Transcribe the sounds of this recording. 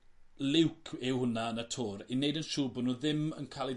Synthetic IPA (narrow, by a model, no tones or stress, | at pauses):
lɪwkʰɪwhʊnaənətʰʊːɾinejdənʃuːbɔnuðɪmə̰nkʰalˠi